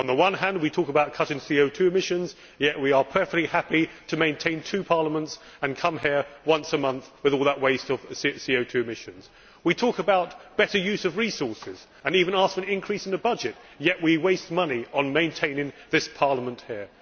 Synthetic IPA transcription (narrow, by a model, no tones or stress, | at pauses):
ə̃nðəwʌ̃nɦæ̃nd̚witʰɔkəbaʊt̚kʰʌɾɪ̃ŋsioʊtʰʉɨmɪʃɨ̃nz | jɛʔwiə˞pʰɜ˞fɛk̚lihæpitʰɨmẽɪ̃ntʰẽɪ̃ntʰʉpʰɑɹləmə̃nts | ə̃nkʰʌ̃mɦɪɹwʌ̃nsəmʌ̃nθwɨðɔlˠðəʔ̚weɪstʌv̥sioʊtʰʉɨmɪʃɨ̃nz̥ | witʰɔˑkəbaʊt̚b̥ɛɾə˞jʉzʌvɹisɔɹsɪz | ə̃nivə̃nɑskfəɨ̃nɪ̃nkʰɹ̥isɨ̃n̩əbʌd͡ʒɪt̚ | jɛʔwiweɪst̚mʌniə̃nmẽɪ̃ntʰẽɪ̃nɪ̃ŋðɪspʰɑɹləmə̃nʔhiɹ